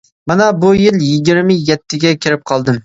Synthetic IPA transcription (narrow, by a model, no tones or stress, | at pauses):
manabʊjɪljɪɡʲɪɾmɪjɛt̪ʰːɪɡʲakʲʰɪɾɪp̚qʰɒlˠd̪ɪm